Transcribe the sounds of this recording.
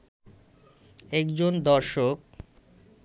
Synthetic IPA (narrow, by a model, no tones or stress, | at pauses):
ɛkd͡ʑond̪ɔɾʃok̚